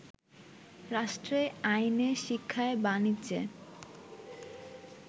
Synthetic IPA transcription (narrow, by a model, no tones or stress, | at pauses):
ɾaʃʈɾeajneʃikʰːaebanit͡ɕʰḛ